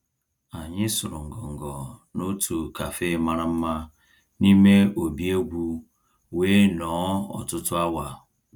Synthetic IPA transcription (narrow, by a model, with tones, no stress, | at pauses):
a˨ɲɪ˦sʊ˨ɾʊ˨ŋ̩˨ɡɔ˨ŋ̩˨ɡɔ˨no˦tʰu˨ka˨fe˦˨˦ma˦ɾa˦m̩˦ma˦ | ni˦me˦o˨bi˦e˦ɡʷu˦ | we˦nɔː˨˦ɔ̰˨tʊ˦tʊ˦a˦wa˨